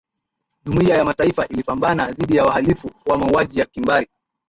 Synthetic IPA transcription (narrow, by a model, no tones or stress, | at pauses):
ʄumuiajamataifaʔilipambanaðiɗijawaɦalifuwamauaʄijakimbaɾi